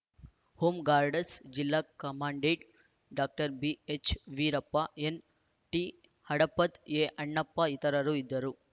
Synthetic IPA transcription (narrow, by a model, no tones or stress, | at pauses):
huːmɡaːɾɖɐsd͡ʒilːaːkɐmaːɳɖeːʈ | ɖaːk̚ʈɐɾbiet͡ʃʋiɾɐpːɐen | ʈi | hɐɽɐpːɐt̪eːʔɐɳːɐpːɐit̪ɐɾɐɾuid̪ːɐɾu